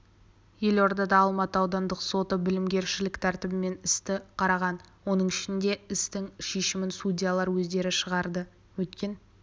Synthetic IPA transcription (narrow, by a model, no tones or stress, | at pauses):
je̞lo̞ɾd̪ɑd̪ɑːlˠmɑt̪əɑwd̪ɑnd̪əqso̞t̪əbɪlɪmɡʲe̞ɾʃɪlɪkt̪ʰæɾt̪ɪbɪme̞nɪst̪ɪqʰɑɾɑʁɑnwo̞nəɴɪʃɪnd̪e̞ɪst̪ɪŋʃeʃɪmɪnsudʲijalˠɑɾwɵzd̪e̞ɾɪʃəʁɑɾd̪ə | wɵt̪̚kʲe̞n